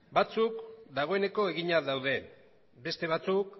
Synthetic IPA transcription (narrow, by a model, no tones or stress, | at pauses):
bat͡sukd̪aɣ̞o̞e̞ne̞ko̞e̞ɣiɲaðawðe̞ | be̞st̪e̞β̞at͡suk̚